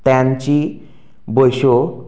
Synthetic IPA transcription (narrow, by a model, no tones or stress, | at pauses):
t̪ãɲt͡ɕi | bojɕo